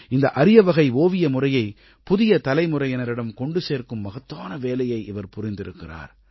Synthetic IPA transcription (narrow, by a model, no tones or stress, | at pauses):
ɪnd̪ɐʔɐɾɪjɐʋɐɣɐɪʋoːʋɪjɐmʊrɐjɐɪ | pʊðɪjɐt̪ɐlɐɪmʊrɐɪɛnɐɾɪɽɐmkɔɳɖɯseːrkɯmːɐɣɐt̪ːaːnɐʋeːlɐjɐɪʔɪʋɐɾpʊɾɪnd̪ɪɾɯkːɪra̰ːɾ